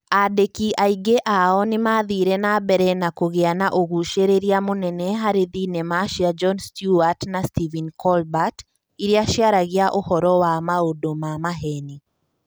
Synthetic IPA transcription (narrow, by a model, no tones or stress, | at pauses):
adekiʔaiɡeʔaɔnɪmaðiɾenabɛɾɛnakoɣeanaʔoɣuʃeɾeɾjamonɛnɛɦaɾeðinemaʃiad͡ʒɔnstjuatnastivinkʰɔlbat | iɾjaʃjaɾaɣjaʔohɔɾɔwamaodomamaɦɛni